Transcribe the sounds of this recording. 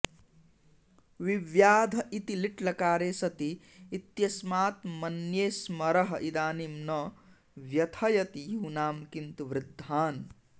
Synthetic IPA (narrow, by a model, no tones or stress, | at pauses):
ʋiʋjaːd̪ʱit̪iliʈlɐkaːɾesɐt̪iː | t̪jɐsmaːt̪mɐnjeːsmɐɾɐɦɐʔid̪aːnimnɐ | ʋjɐt̪ʰɐjɐt̪ijuːnaːmkint̪uʋɾɪd̪ʱːaːn